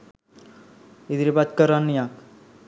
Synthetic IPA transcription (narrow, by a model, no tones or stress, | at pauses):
id̪ɾibat̪kəɾanːijak